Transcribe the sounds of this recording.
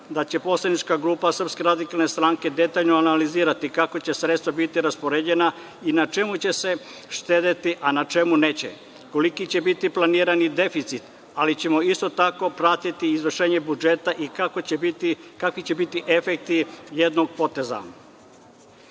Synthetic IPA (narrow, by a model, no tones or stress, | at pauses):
d̪at͡ɕe̞po̞slˠanit͡ʃkaɡɾuːpasər̩pske̞ɾad̪ikalˠne̞st̪ɾaŋke̞d̪e̞t̪aːʎnoanaliziːɾat̪ikakot͡ɕe̞sɾe̞t̪st̪ʋabit̪iɾaspoɾed͡ʑe̞na | inat͡ʃe̞mut͡ɕe̞se̞ | ʃt̪eːd̪et̪iʔanat͡ʃe̞mune̞ːt͡ɕe̞̰ | ko̞likit͡ɕe̞bit̪iplaniːɾanid̪e̞fit̪sit̪ | alit͡ɕe̞mo̞ist̪o̞t̪ako̞pɾat̪it̪iːzʋr̩ʃe̞ːɲe̞bud͡ʒe̞t̪aʔikaikakʋit͡ɕe̞bit̪iʔe̞fek̚t̪ije̞d̪no̞ɡ̚po̞t̪e̞za̰